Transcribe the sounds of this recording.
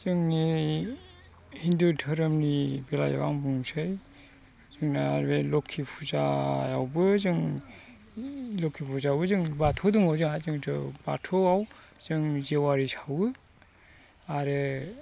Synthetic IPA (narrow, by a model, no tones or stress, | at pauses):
zɯŋni | hindudʰɯɾɯmnibela̰ja̰ba̰ŋbuŋsʰɯj | zɯŋnaaɾelɔkʰːipʰuza̰jawbɯzɯŋ | lokʰipʰuzawbɯzɯŋbatʰɔdɯŋawzɯŋazɯŋtʰɯba̰tʰɔawz̥ɯŋzewaɾisʰawɯ | aɾɯ